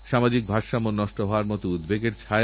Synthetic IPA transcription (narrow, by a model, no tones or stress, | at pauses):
ʃamad͡ʑik̚bʱaɾʃamonnːɔʃʈoɦɔoaɾmɔt̪oud̪beɡeɾt͡ɕʰae